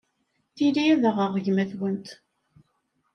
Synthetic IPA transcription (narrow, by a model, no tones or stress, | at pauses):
θiliæðəʁəʁʝmæθwənt̪